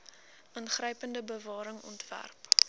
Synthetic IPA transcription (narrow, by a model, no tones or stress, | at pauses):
ʔənχrəjpəndəbəvɑːɾəŋɔ̰ntvæ̰rp